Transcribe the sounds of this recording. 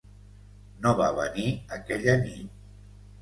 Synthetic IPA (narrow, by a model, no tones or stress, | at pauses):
noβa̰βə̰niəkɛʎənit̪̚